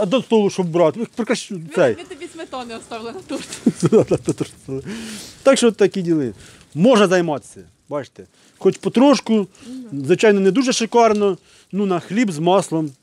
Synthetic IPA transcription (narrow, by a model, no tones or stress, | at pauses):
ɐd̪ɐst̪ɔlˠʊʃɔbbɾɑt̪pɾekɾɐʃʲuɛj̪nt̪ | d̪ad̪ɐd̪ɐt̪ɔʃt̪st̪ɔlˠt̪ɑkʃɔt̪ːɐkʲidʲilˠɪ | mɔʒnɐzɐjmɑt̪sʲɐ | bɑt͡ʃt̪ɛ | xɔt͡ʃpɔt̪ɾɔʃkʊzʋɪt͡ʃɑjnɔnɛd̪uʒɛʃɪkɑrnɔ | nunɐxlʲibzmɑslˠɔm